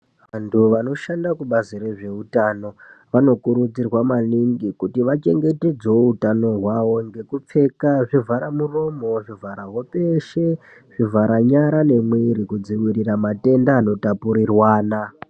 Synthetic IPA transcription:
ʋantʰuʋano̞ʃandakuɓaziɾe̞ʐe̞utano̞ʋano̞kuɾud͡zirwamaniŋɡikutiʋat͡ʃe̞ŋɡe̞te̞d͡zoutano̞ɦwaʋo̞ŋɡe̞kup͡fe̞kaʐivaɾamuro̞mo̞ʐivʱaɾaɦo̞peʃe̞ | ʐ̥ivaɾaɲaɾane̞mwiɾikud͡ziwiɾiramate̞ndaːno̞tapuɾirwaːna

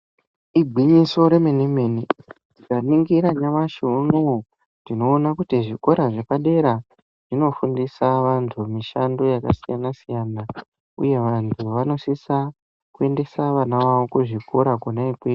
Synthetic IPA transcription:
ibʱiɲiso̞ɾe̞menimeni | tikaniŋɡiɾaɲamaʃuno | ndino̞ːnakutiʐiko̞ɾaʐekaɗe̞ɾa | ʐ̥ino̞fundisaʋantʰumiʃando̞jaka̰sijanasijana | ṵje̞ʋantʰuʋano̞sisa | kue̞nde̞saʋanaʋaʋo̞kuʐiko̞ɾakunaikwei

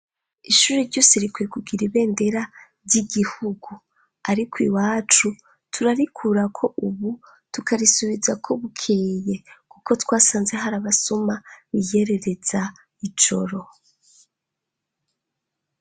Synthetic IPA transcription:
iʃuːɾeɾɟoːseɾikwekuɡiɾiβe̞ːnde̞ɾa | vɟiɡihuɡu | aɾikwiwaːt͡ʃu | tʰuɾaɾikʰuɾakʰo̞ʔuβu | tukaɾisuβizakʰo̞βukʰeːje̞kuko̞twaːsaːnze̞ɦaɾaβasumaβije̞ɾe̞ɾe̞z̥a | it͡ʃo̞̰ɾo̞

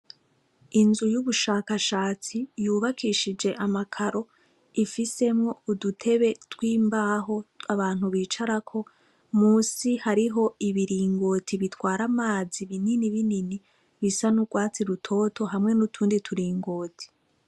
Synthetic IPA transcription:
inzujuβuʃaːkaʃaːt͡sijuːβakʰiʃid͡ʒe̞ʔamakʰaɾo̞ | ifise̞mŋo̞udutʰe̞βe̞twiːmbaɦo̞aβaːn̥huβiːt͡ʃaɾakʰo̞ | muːsihaɾiɦo̞iβiɾiːŋɡo̞ːtʰiβitwaːɾamaːziβininiβinini | βisanuɡwaːt͡siɾutʰo̞tʰo̞ɦamŋe̞nutʰuːnditʰuɾiːŋɡoːti̥

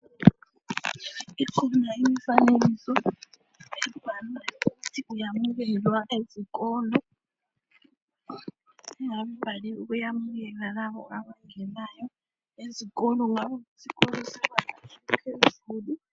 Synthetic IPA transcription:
iǀʰɔnaimifanelisɔ | ɛbʱanaukutʰiʔujamuɣ̬ɛlwaʔezikɔːlɔ | ŋaβɛbʱaliukujamuɣɛlalaβɔ̰ʔaβaŋɛnajɔ | ezikɔlɔŋaβukusikʼɔlɔsiβanaipʰezuːli

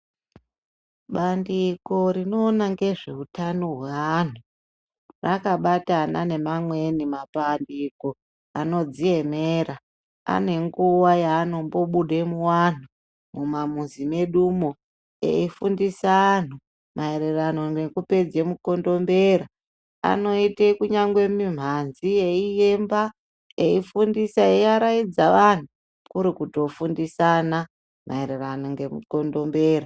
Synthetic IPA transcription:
ɓandiko̞ɾino̞ːnaŋɡe̞ʐe̞utanoɦwean̤u | rakaɓatana̰ne̞mamwe̞nimapandiko̞ | ano̞d͡zie̞meːra | a̰ne̞ŋɡuwajaːno̞mbo̞ɓuɗemuwan̤u | mumamunzime̞ɗumo̞ | ḛifundisaːn̤u | maeɾerano̞ŋɡe̞kupe̞d͡ze̞muko̞ndo̞mbe̞ɾa | a̰no̞itekuɲaŋɡwe̞mim̤anzije̞ijemba | eifundisaeaɾaid͡zaʋan̤u | kuɾikuto̞fundisana | mʔa̰ereranoŋɡe̞muko̞ndo̞mbe̞ːɾa

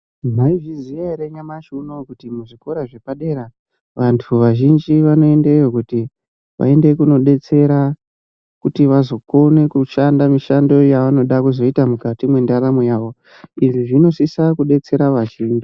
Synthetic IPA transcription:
m̤aiʐizijaɾeɲamaʃunokutimuʐiko̞ɾaʐe̞paɗe̞ɾa | ʋantʰuʋaʒind͡ʒiʋano̞e̞ndaijo̞kuti | ʋa̰e̞nde̞kuno̞ɗe̞t͡se̞ɾa | kutiʋazo̞ko̞ne̞kuʃandamiʃando̞jaʋano̞ɗakuzo̞itamukatimwe̞ndaɾamwejaːʋo̞ | iʐiʐino̞sisakuɗe̞t͡se̞ɾaʋaʒiːnd͡ʒi

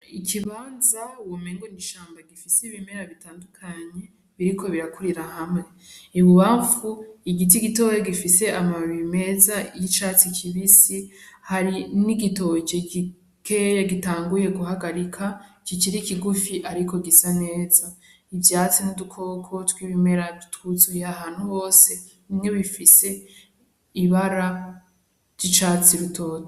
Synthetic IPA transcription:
ikʰiβaːnzawomeːŋɡoniʃaːmbaɡifisiβime̞ɾaβitaːndukʰaɲe̞ | βiɾikʰo̞βiɾakuɾiɾahamŋe̞iβuβaːɱfuiɡit̬iɡitoweɡifise̞ʔamaɾime̞zajit͡ʃat͡sikʰiβisihaɾiniɡito̞et͡ʃeɡi | kʰejaɡitaːŋɡuje̞ɡuɦaɡaɾikʰa | kikiɾikiɡufiʔaɾiko̞ɡisane̞ːza | ivjaːt͡sinudukʰo̞kʰo̞twiβime̞ɾautwuzujeaɦaːnhuβo̞ːse̞ | imŋe̞βifise̞ | iβaɾa | ɾjit͡ʃaːt͡siɾutʰo̞ːto

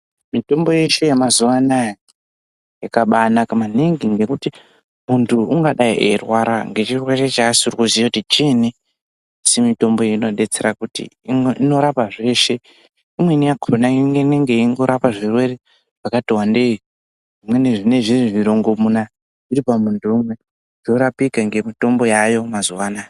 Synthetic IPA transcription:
mito̞mbo̞je̞ʃejemazuʋanaja | jakaɓanakamaniŋɡiŋɡe̞kuti | muntʰuuŋɡaɗaiʔerwaɾaŋɡet͡ʃirwat͡ʃat͡ʃaːsiuɾikuziakutit͡ʃene | asimito̞mbo̞jeno̞ɗe̞t͡se̞ɾakutḭŋino̞ɾapaʐe̞ʃe̞ | imwe̞nijakʰoronaiŋɡeneŋɡe̞iŋɡo̞ɾapaʐirwe̞re̞ | ʐ̥akatiwande̞i | ʐimwe̞neʐine̞ʐiriʐiɾo̞ŋɡomuna | iɾipamuntʰuːmwe̞̥ | o̞ɾapikaŋɡe̞mito̞mbo̞jajo̞mazuwaːna

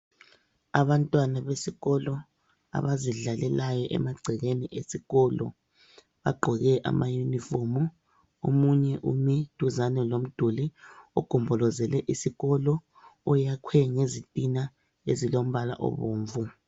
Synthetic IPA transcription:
aβantʼwanaβesiɣɔlɔ | a̰βaziɮalɛlajɔʔɛ̰maɡ͡ǀʱɛɣeniʔesiɣɔlɔ̰ | βa̰ɡ͡ǃʱɔɣɛʔa̰mʔajunifɔmu | omuɲɛʔumid̥ʱuzanɛlom̩d̥ʱuliuɡ̥ʱumbʱɔlɔzɛlɛʔisiɣɔlɔ | ɔjakʰwɛŋezitʼina | ḛzilom̩βala̰ʔɔ̰βoːɱvu

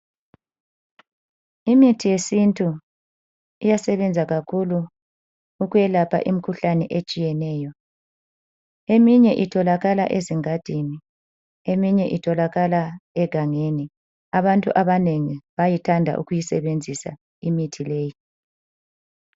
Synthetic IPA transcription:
imitʰijesintʼu | ijasɛβɛnd͡zʱaɣakʰuluː | ɣujɛlapʰa̰ʔimikʰuɬanɛʔet͡ʃʼijɛnɛːjɔ | emiɲɛʔitʰɔlaɣala̰ʔeziŋad̥ʱini | emiɲɛʔitʰɔlaɣalaɛɡ̥ʱaŋeni | aβantʼṵʔaβaneŋiβajitʰandʱa̰ʔṵɣujisɛ̰βend͡zʱisa̰ | imitʰileːji

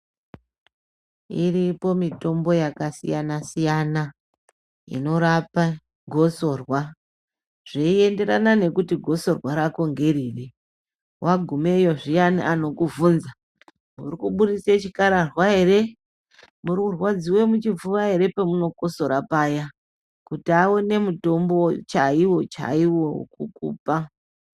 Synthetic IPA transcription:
iripo̞mito̞mbo̞jakasḭjanasijana | ḭno̞ɾapa | ɡʱo̞so̞rwa | ʐ̥iie̞nde̞ɾanane̞kutiɡʱo̞so̞rwaɾako̞ŋɡe̞ɾiːre | wʔaɡʱume̞jo̞ʐijaniʔano̞kuvunza | murikuɓuɾiset͡ʃikaɾarwaɦe̞ɾe̞ | murikurwad͡ziwe̞mut͡ʃib͡vuʋaɦe̞ɾe̞pemuno̞ko̞so̞ɾapaja | kutiawone̞muto̞mbo̞t͡ʃaiwo̞t͡ʃa̰iwo̞̰kukṵːpa

